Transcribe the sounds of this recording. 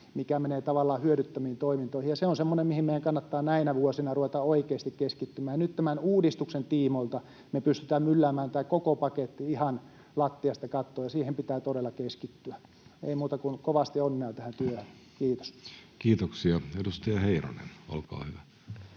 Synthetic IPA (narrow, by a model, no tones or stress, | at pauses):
mikæmeneːt̪ɑʋɑlːˑɑːhyøɾyt̪ːæmiːnt̪oimint̪oihijɑseonsemːonemihimeijæŋkɑnːɑt̪ːɑːnæinæʋuosinɑruʋet̪ɑoikeːst̪ikkeskit̪ːymæːjɑnyt̪t̪æmænuːdist̪uksent̪iːmoilt̪ɑ | mepyst̪y̥t̪æːmmylːæːmæːnt̪æːkokopɑket̪ːiihɑn | lɑt̪ːiɑst̪ɑkɑt̪ːoːjɑsiːhempit̪æːt̪oɾelːˑɑkeskit̪ːyæ | eimuːt̪ɑkunkoʋɑst̪ionːeɑt̪æhænt̪yøhøn | kiːt̪o̥skiːt̪oksiɑedust̪ɑjɑheiro̰nḛno̰lkɑ̰ːhyʋæ